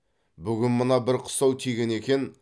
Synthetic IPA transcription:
bʏɡʲɪnmənɑbɪɾqʰʊ̥sɑwt̪ʰijɡʲe̞ne̞kʲe̞n

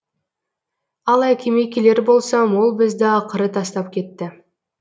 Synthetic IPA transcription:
ɑlˠɑjkʲʰeme̞kʲele̞ɾbo̞lˠsɑmwo̞lˠbɪzd̪ɪɑqəɾət̪ʰɑst̪ɑp̚kʲʰe̞t̪ːɪ

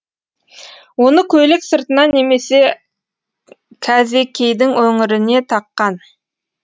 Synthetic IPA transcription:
wo̞nəkʲʰɵlɪksəɾt̪ənɑnːe̞me̞se̞ | kʲʰæze̞kʲʰe̞jd̪ɪŋwɵŋɪɾɪne̞t̪ʰɑqːɑn

